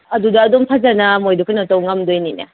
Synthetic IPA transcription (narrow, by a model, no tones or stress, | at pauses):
ɐdudɐːdɔmtʰazanɐmojdukʰɯnɐtawŋamdojninɐ̰